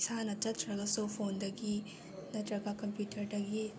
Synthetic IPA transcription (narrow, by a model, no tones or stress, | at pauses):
sanɐtɐtɾɐɡasopʰond̪ɐɡi | nɐtɾɐɡakɐmpjutʰɐɾʈɐɡi